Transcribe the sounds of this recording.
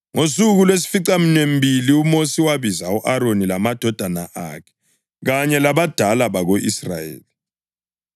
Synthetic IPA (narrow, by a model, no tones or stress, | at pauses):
ŋosuɣulwes̬i̥fiǀaminem̩biliumosiwaβizauʔaɾonilamad̥ʱɔd̥ʱana̰ʔa̰kʰɛ̥ | ɣaɲɛlaβad̥ʱalaβaɣoʔisra̰jḛːli